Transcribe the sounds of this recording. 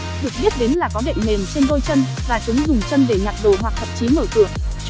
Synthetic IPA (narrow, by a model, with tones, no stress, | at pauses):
ɗɨ˨˩ək̚ɓi˦˥t̚ɗe˨˦n̟laː˨˩kɔ˨˦ɗə̰˧˨ŋ̟me˨˩mt͡ɕe˧nɗo˧jt͡ɕə˧n | vaː˨˩t͡ɕɨ˨˦ŋzʊ˨˩ŋ͡mt͡ɕə˧nɗe˧˩ɲaː˨˩t̚ɗo˧˩ɦwa˨˩k̚t̪ʰə˨˩p̚t͡ɕi˨˦məː˧˩kɨ˧˩əŋ